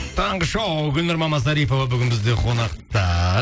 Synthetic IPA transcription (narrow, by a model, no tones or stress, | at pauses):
t̪ʰɑɴʁəʃɑwɡʲʏlnɪɾmɑmɑs̬ɑɾijpo̞vɑbʏɡʲɪnbɪzd̪e̞qʰo̞nɑqt̪ɑ